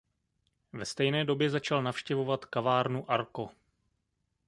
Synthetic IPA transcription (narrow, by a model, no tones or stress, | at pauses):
vɛst̪ɛjnɛːdo̞bjɛzat͡ʃalnafʃcɛvo̞vat̪kavaːɾnuʔaɾko̞